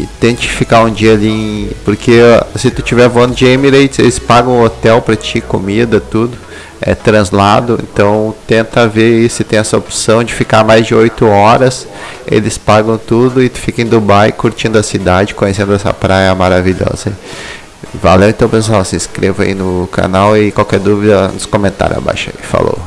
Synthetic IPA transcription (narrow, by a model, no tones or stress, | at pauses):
ɪt̪ẽt͡ʃɪfikaũd͡ʒiɐaliẽpoɾkʰesɪt̪ut͡ʃivɛɾvoɐ̃nʊd͡ʒɪemiɾejt͡ʃɪḛlɪspaɡɐ̃w̃ot̪ɛwpɾɐt͡ʃikomid̪ɐt̪ud̪ʊ | ɛ̰t̪ɾɐ̃zlad̪ʊḛ̃nt̪ɐ̃w̃t̪ẽnt̪ɐveɾisʊɪt̪ẽj̃ɛsɐopsɐ̃w̃d͡ʒɪfikamajzd͡ʒɪojt̪ʊɔɾɐs | ḛlɪspaɡɐ̃w̃t̪ud̪ʊɪ̥fikɐ̃j̃d̪ʊbajkuɾt͡ʃĩnd̪ʊɐsid̪ad͡ʒɪkõjes̬ẽnd̪ʊɛsɐ̰pɾajɐmaɾaviʎɔ̰zɐi | va̰lẽw̃ẽt̪ɐ̃w̃pẽs̬ʊawsɪiskɾevʊa̰ḭnʊka̰nawɪkwawkɛɾd̪uvid̪ɐnʊskomẽnt̪a̰ɾjʊa̰ba̰jʃɐ̰ifa̰lo̰